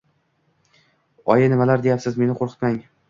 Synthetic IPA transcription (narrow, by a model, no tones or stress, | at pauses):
ɒjɪnɪmalaɾd̪ejapsɪzme̞nɪqʰoɾqʰɨ̥t̪maŋ